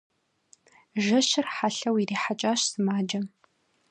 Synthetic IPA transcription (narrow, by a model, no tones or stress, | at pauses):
ʒɐʃɪrħaɬɐwiriːħat͡ʃʼaːʃsɨmaːd͡ʒɐ